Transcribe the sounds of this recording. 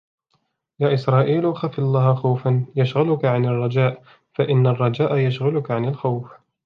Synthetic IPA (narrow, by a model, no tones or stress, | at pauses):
jaːʔɪsɾˤɑːʔiːlxaflˤːɑːhxawfanjaʃɣalʊkaʕanarˤːɑd͡ʒaːʔ | faʔɪnːarˤːɑd͡ʒaːʔajaʃɣʊlʊkaʕanalxawf